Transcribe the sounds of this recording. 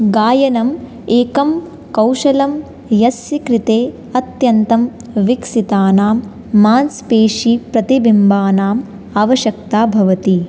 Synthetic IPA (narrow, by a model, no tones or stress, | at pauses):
ɡaːjɐnɐm | eːkɐm | kɐwʃɐlɐm | jɐsjikɾit̪eː | ɐt̪jɐnt̪ɐm | ʋiksit̪aːnaːmː | aːnspeːʃipɾɐt̪ibimbaːnaːm | aːʋɐʃjɐk̚t̪aːbʱɐʋɐt̪i